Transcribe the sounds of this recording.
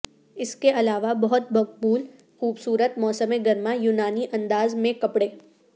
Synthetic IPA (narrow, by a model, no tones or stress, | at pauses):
ɪskeɐlaːʋabɐɦʊt̪̚bɐk̚buːl | xuːbsuːɾət̪̚mɔːsəmeɡɐɾmajuːnaːniʔɐ̃nd̪aːzmẽkɐpɽeː